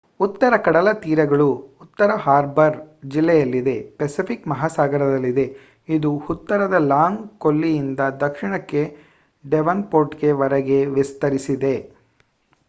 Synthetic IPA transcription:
ut̪ːɐɾɐkɐɽɐlɐt̪iːɾɐɡɐɭuut̪ːɐɾɐɦaːɾbɐɾd͡ʒilːɛjɐlːid̪e̞pesipʰikmɐɦaːsaːɡɐɾɐd̪ɐlːid̪e̞ | id̪uhut̪ːɐɾɐd̪ɐlaːŋɡkolːijind̪ɐd̪ɐkʂiɳɐkːe̞ | ɖeʋɐnpoːɾʈɡe̞ʋɐɾɐɡe̞ʋist̪ɐɾisid̪e̞

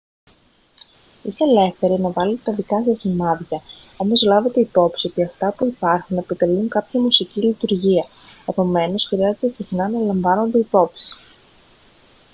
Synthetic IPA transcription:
ist̪ele̞fθe̞ɾinɐvɐle̞t̪et̪ɐðikɐsɐsimɐðʝɐ | o̞mo̞zlɐve̞t̪e̞ipo̞psio̞t̪iɐft̪ɐpuipɐɾxune̞pot̪e̞luŋkɐpçɐmusicilit̪uɾʝiɐ | e̞po̞me̞no̞sxɾiɐze̞t̪e̞sixnɐnɐlɐɱvɐno̞nd̪e̞ipo̞psi̥

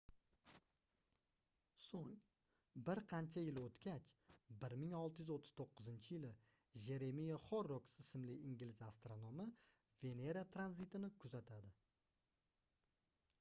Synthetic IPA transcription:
soŋ | bɪɾqʰɑnt͡ʃʰajɪlot̪kʲat͡ʃbɪɾmɪŋɒlˠt̪ɪjʏzot̪ʰːɪz̥t̪ʰoqːʊzɪnt͡ʃʰɪjɪlɪ | ʒe̞ɾe̞mijaχɒɾːoksɪsɪmlɪɪŋɡʲlɪzast̪ɾonomɪ | v̥e̞ne̞ɾat̪ʰɾanzit̪ɪnɪkʰʊzat̪ʰad̪ɪ

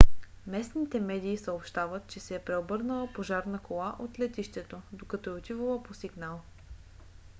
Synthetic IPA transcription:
mɛsnit̪ɛmɛd̪iːsəopʃt̪avət̪̚t͡ʃɛsɛɛpɾɛobɤɾnəlˠəpoʒaɾnəkolˠaʔot̪lɛt̪iʃt̪ɛt̪od̪okɐt̪ɔɛot̪ivəlˠəposiɡnalˠ

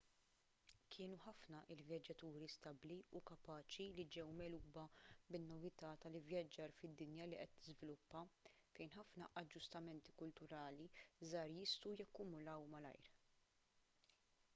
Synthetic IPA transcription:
kʰɪːnuħɐfnɐʔɪlvjɐd͡ʒːɐt̪uːɾist̪ɐbliukɐpɐːt͡ʃilid͡ʒɛwmɛːluːbɐbɪnːɔvɪt̪ɐːt̪ɐlɪvjɐd͡ʒːɐɾfɪd̪ːɪnjɐliʔɛt̪ːɪzvɪlʊpːɐ | fɛjnħɐfnɐʔɐd͡ʒːʊst̪ɐmɛnt̪i̥kʊlt̪ʊɾɐːlizɐːɾjɪst̪ujɐkːʊmʊlɐwmɐlɐ̰jɾ

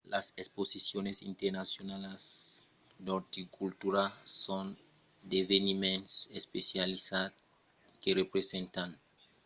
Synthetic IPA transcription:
lasesposisjonesḭnt̪eɾnasjonales | d̪oɾt̪ikult̪uɾasõn | d̪evenimẽnsespesjalisat | kerepɾesẽnt̪an

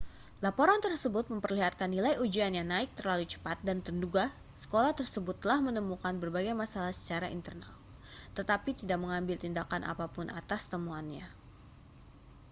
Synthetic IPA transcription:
lapoɾant̪ərsəbʊt̪̚məmpərliɦat̪̚kanːilajud͡ʒianjaŋnaɪk̚t̪ərlalut͡ʃə̥pat̪̚dant̪ənduɡa | sə̥kolaht̪ərsəbʊt̪ːəlahmənəmukanbərbaɡajmasalahsə̥t͡ʃaɾaḭnt̪ərna̰l | t̪ət̪apit̪idak̚məŋambɪlt̪indakanʔa̰papʊnʔa̰t̪ast̪əmuanɲa

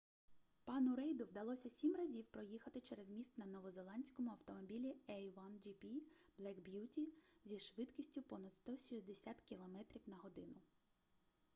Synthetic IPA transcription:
pɑnʊɾɛjd̪ʊwd̪ɐlˠɔsʲɐsʲimrɐzʲiwpɾɔjixɐt̪ɪt͡ʃɛɾɛzmʲist̪nɐnɔʋɔzelˠɑnʲsʲkɔmʊɐwt̪ɔmɔbʲilʲiɛjʋand͡ʒipʲi | b̥lˠɛkbjutʲizʲiʃʋɪt̪kʲisʲtʲʊpɔnɐd̪st̪ɔʃʲizd̪esʲat̪kʲilˠɔmɛt̪ɾʲiwnɐɦɔd̪ɪnʊ

